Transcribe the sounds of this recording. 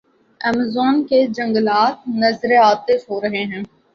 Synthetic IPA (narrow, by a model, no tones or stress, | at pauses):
ɛːməzɔːnked͡ʒɐ̃ŋɡəlaːt̪̚nɐzɾeaːt̪esɦoːɾɐɦeɦɛ̃ː